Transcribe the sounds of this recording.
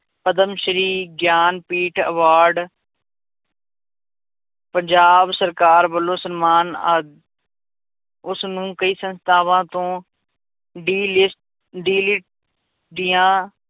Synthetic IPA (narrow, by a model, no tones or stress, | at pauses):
pəd̪əmʃəɾiːɡjaːnpiːʈʰəʋaːɾɖ | pəɲd͡ʒaːbsəɾkaːɾbəlːõːsənmaːnːd̪ | ʊsnũːkəiːsə̃nst̪ʰaːʋãːt̪õː | ɖiːlɪsʈ | ɖiːlɪʈ̚ | d̪ɪjãː